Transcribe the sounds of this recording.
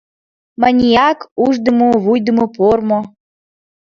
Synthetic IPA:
manʲijakuʒd̪ə̆moβujd̪ə̆mopormo

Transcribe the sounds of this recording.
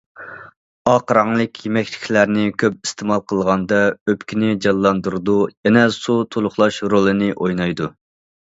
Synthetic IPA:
ɑqʰɾɑŋlˠɨkʲʰjemɛkʲlʰɪ̥kʲʰlæɾnɪkʲʰøp̚ist̪ʰɪmɑlˠqʰəlˠʁɑnd̪ɑøpkʲinɪd͡ʒɑlˠːɑnd̪uɾd̪ujɛnɛsut̪ʰolˠʊχlˠɑʃɾolˠɨnɪʔojnɑjd̪u

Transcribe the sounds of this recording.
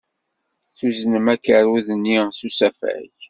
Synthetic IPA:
θuznəmækːəɾuðənːisusæfæ̰ç

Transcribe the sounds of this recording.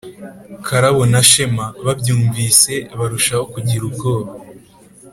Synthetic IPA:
kʰaɾaβo̞naʃe̞maβabɟuːɱviːse̞βaɾuʃaho̞kuɟiɾubɡo̞ːɾo

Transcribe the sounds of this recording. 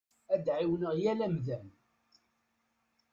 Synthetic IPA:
æd̪ʕiwnəʁjælæmðæn

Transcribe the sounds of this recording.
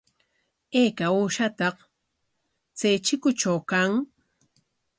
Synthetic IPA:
eːkauːʃat̪ɑq | t͡sajt͡ʃɪkʊt͡ʃawkaŋ

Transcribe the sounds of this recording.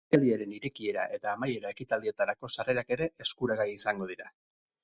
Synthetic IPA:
ald̪iaɾe̞niɾe̞kie̞ɾa̰ʔe̞t̪aːmaje̞ɾae̞kit̪ald̪ie̞t̪aɾako̞sare̞ɾake̞ɾe̞ʔeskuɾaɣajisaŋɡo̞ðiɾa

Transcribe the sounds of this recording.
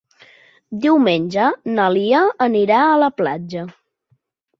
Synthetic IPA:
d̪iwmenʲd͡ʒənəliəəniɾaələplad͡ʒə

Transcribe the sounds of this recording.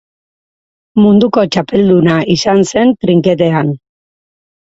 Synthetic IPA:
mund̪uko̞t͡ʃape̞ld̪unaisanse̞nt̪ɾiŋkeðe̞an

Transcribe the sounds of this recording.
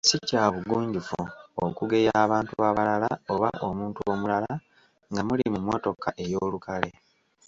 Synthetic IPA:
sicaːβuɡuːɲɟifuokuɡe̞jaːβaːntuβaːβalalao̞βaʔomuːntuomulala | ŋɡamulimumwo̞to̞kaʔe̞jo̞ːlukale̞

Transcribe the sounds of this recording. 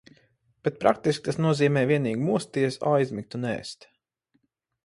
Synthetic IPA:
b̥et̪̚pɾa̰k̚t̪isk̚ʲt̪asnuɔziːmɛːjvʲiɛniːɡmuɔst̪iɛsajzʲmik̚t̪unɛ̰ːst̪

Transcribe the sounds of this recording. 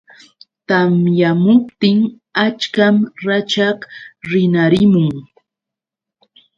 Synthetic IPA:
t̪amjamʊpt̪ɪŋ | at͡ʃkamɾat͡ʃakɾɪnaɾɪmʊŋ

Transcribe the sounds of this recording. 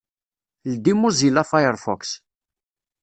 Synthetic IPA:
ld̪imuzilafajəɾfɔ̰ks

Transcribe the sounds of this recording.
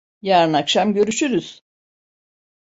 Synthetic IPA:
jaːɾɯnakʃamɟø̞ɾyʃyɾyz̥

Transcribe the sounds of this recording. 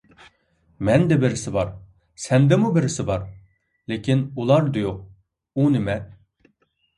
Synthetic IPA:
mɛnd̪ɛbɪɾɪsɪbɑɾ | sɛnd̪ɛmubɪɾɪsɪbɑɾ | lekʲinulˠɑɾd̪ujoq̚ | unɪmɛ

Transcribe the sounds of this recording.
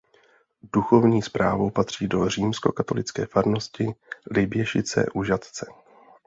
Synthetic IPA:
d̥uxo̞vɲiːspɾaːvo̞wpat̪r̝̥iːdo̞r̝iːmsko̞̰kat̪o̞̰lɪt͡skɛːfaɾno̞scɪlɪbjɛʃɪt͡sɛ̰ːʔuʒat̪t͡sɛ

